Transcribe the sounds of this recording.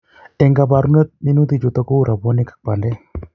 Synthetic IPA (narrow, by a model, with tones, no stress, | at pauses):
ɛ˨ŋɡa˨ba˨ɾu˦ne˦t̪̚mi˦nu˦t̪i˨d͡ʒo˨t̪ɔ˦ku˦ɾa˨bɔ˦ni˦kḁ˨k͡pa˨ndɛ˦